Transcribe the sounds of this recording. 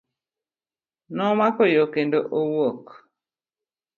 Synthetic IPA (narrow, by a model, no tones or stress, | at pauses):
nɔmakɔjokendoʔowok